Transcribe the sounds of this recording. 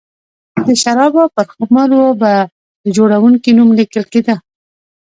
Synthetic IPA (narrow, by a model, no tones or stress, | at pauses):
d̪əʃaɾɑbapəɾxamɑloba | d̪əd͡ʒoɽawuŋkinumlikəlked̪ə